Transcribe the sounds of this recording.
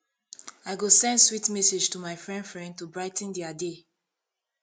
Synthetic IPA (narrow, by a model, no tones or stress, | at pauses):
aɪɡosɛ̃ndswitmɛsed͡ʒtumaɪfɹɛ̃ndfɹɛ̃nd̚tubɹaɪtn̩diade